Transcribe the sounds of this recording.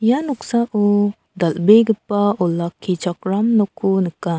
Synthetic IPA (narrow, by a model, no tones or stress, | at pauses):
janɔksaʔɔ | d̪albeɡəpaɔlakʰːit͡ʃakɾamnɔkʰunɯka